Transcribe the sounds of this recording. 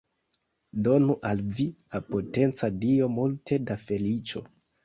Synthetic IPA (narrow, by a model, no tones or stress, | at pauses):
do̞nuʔalviapo̞te̞nt͡sadio̞multʰe̞dafe̞lit͡ʃo̞